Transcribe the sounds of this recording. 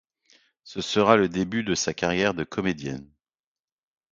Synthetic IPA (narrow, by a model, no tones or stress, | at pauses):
səsəʁaləd̪ebyd̪əsakaʁjɛʁd̪əkʰɔmed̪jɛ̰n